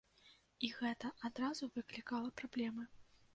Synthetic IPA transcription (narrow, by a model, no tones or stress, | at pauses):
iɣɛt̪ɐʔad̪ɾazuvɨklʲikalˠɐpɾablʲɛmɨ